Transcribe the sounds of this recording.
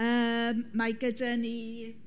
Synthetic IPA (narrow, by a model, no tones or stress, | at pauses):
əːmːaɡədani